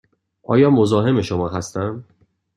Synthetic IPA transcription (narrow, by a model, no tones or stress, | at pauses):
ʔɒ̰ːjɒːmo̞zɒːɦe̞me̞ʃomɒːɦæst̪æm